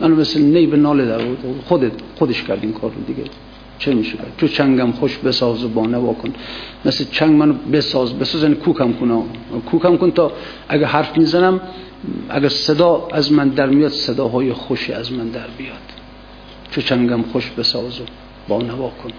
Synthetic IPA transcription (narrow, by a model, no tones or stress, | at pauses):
mænʊmesnejbenɒːled̪æɾxod̪et̪xod̪eʃkʰæɾd̪inkʰɒ̰ːɾːo̰d̪iɡḛ | t͡ʃʰemiʃekʰæɾd̪̥t͡ʃʰot͡ʃʰæŋɡæmxoʃbesɒːzobɒːnavɒːkʰonmeslet͡ʃʰæŋɡmænʊbesɒːzbesɔzjanikʰukʰæmkʰunɔkʰuːkʰæmkont̪ʰɒ | ʔæɡæhaɾfmizænæm | æ̰ɡæɾsed̪ɒːæzmænd̪æɾmijɒd̪sed̪ɒːɦɒːjexoʃiæzmænd̪æɾbijɔd̪̥ | t͡ʃʰot͡ʃʰæŋɡæmχoʃbesɒzo | b̥ɒːnavɒːkʰon